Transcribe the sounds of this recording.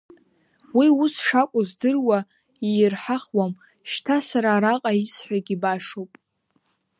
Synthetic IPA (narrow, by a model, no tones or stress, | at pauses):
wiusʂakʷʼʊzdɨrwa | irħaχwam | ʃtʰasaɾaːɾaqʼaisħʷᶣaɡʲibaʂowpʼ